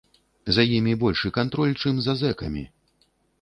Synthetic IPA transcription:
zajimʲibɔlʲʂɨkant̪ɾɔlʲt͡ʂɨmzazɛkɐ̰mʲḭ

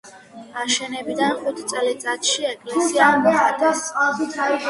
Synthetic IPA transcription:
aʃɛnɛbid̪anχut̪ʰt̪sʼlit̪sʼat̪ʃiɛkʼlɛsiad̪ɛd̪ast̪sʼqʼalˠʃit̪ʰai

